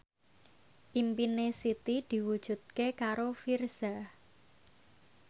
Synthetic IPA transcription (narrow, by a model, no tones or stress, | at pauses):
ʔimpinesit̪id̪̥i̤wud̥ʒ̥ṳd̪̚kekaɾofirz̥a